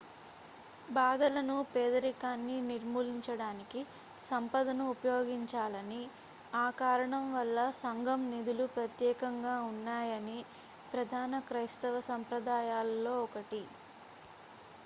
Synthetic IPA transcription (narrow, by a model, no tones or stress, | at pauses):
baːd̪ɐlɐnupɛːd̪ɐɾikaːnːiniɾmuːliɲt͡ʃɐɽaːniki | sɐmpɐd̪ɐnuːpɐjoːɡiɲt͡ʃaːlɐni | aːkaːɾɐɳɐmʋɐlːɐsɐŋɡʱɐmnid̪ulupɾɐt̪jɛːkɐŋɡaːunːaːjɐni | pɾɐd̪ʱaːnɐkɾɐjst̪ɐʋɐsɐmpɾɐd̪aːjaːlːo̞ːɔkɐʈi